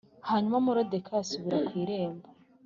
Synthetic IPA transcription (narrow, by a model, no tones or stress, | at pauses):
haɲumamuɾode̞kʰaːsuβiɾakwiːɾe̞ːmba